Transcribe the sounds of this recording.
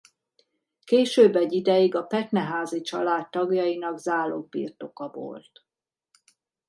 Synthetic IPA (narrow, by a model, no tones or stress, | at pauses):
keːʃøːbːɛɟːid̪ɛjiɡɒpɛt̪nɛɦaːzit͡ʃɒ̰laːt̪ːɒɡjɒjinɒɡzaːloːpḭrt̪o̞kɒvo̰lt̪